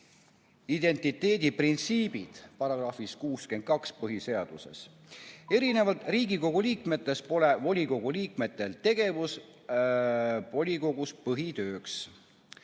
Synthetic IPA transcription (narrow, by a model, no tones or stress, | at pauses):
id̪̥e̞nʲt̪ˑit̪e̞ːd̪̥ʲiprint̪siːb̥id̪̥pɑɾɑɡ̥rɑːfiskuːske̞nd̪̥̚kɑkspɤɦise̞ɑd̪̥use̞̰s | e̞ɾine̞vɑlt̪ˑriːɡiko̞ɡ̥uliːkme̞t̪ːˑe̞spo̞le̞vo̞lʲiko̞ɡ̥uliːkme̞t̪ːe̞lt̪e̞ɡ̥e̞vus | vo̞lʲiko̞ɡ̥uspɤɦit̪ø̞ːks